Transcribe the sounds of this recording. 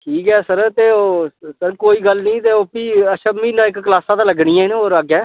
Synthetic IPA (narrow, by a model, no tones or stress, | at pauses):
ʈʰiːkɛːsəɾt̪eːoːsəɾkoːiːɡəlnĩːt̪eːoːpiːəʃəbmiːnãːɪkklaːsãːd̪aːləɡɳiːãːɪnoːɾəɡɛː